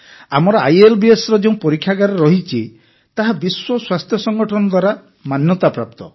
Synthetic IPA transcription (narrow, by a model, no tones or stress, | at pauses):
amɔɾɔa̰jelbiesɾɔd͡ʒeũpɔɾikʰːjaɡaɾɔɾɔɦit͡ʃʰi | t̪aɦabiswɔswast̪ʰjɔsɔŋɡɔʈʰɔnɔd̪waɾa | manjɔt̪apɾap̚t̪ɔ